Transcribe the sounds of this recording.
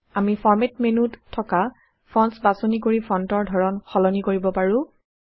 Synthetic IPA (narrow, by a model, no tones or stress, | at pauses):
amifɔɹmetmenutʰːɔka | pʰɹɔnsbasonik̬oɹipʰɔntɔɹdʱɔɹɔnxɔlɔnikoɹibɔpaɹʊ̃